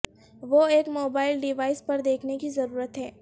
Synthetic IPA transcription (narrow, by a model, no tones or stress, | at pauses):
ʋoeːkmoːbaːɪlɖɪʋaːɪspɐɾd̪eːkʰnekizɐɾuːɾət̪ɦɛː